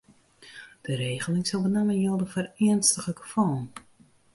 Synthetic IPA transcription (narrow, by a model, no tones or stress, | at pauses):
d̥əɾeːɣəlɪŋsɔlˠbənɛmənjolˠdəfərɪənstəɣləkə̥fɔːn